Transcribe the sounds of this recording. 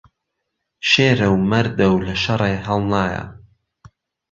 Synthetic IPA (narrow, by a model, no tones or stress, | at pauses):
ʃeːɾɐwmɐɾd̪ɐwlɐʃɐrˤeːɦɐlˠnaːjɐ̰